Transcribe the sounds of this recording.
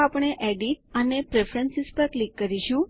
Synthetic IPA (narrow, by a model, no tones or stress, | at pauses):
apɳ̃eʔeɖiʈənepɾefʰɾənsispəɾklikːəɾiʃũ